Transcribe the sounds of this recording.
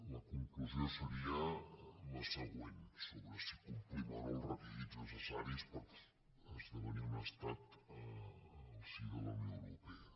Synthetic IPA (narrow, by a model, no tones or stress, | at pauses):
ləkuŋkluzjosəɾiəməsəɣweɲsoβɾəsikumplimaɾolrəpiðiznəsəsaɾispəɾ | əzðəβəniunast̪at̪ə | siðəlomiəwɾupe